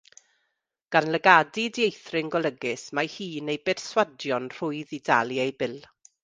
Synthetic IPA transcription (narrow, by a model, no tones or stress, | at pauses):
ɡ̥anləɡadidjejθrɪŋɡɔlˠəɡɪsmajhiːnejbɛr̥swadjɔnr̥ʊɨðidalˠjejbɪlˠ